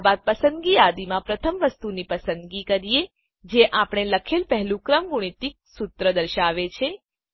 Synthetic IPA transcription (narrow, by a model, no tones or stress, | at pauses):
bad̪̚pəsə̃nd̪ɡijad̪imãpɾət̪ʰəmʋəst̪unipəsə̃nd̪ɡikəɾije | d͡ʒeʔapɽ̃eləkʰelpəɦlũkɾəmɡʊɽ̃it̪ik̚sut̪ɾəd̪əɾʃaʋet͡ʃʰe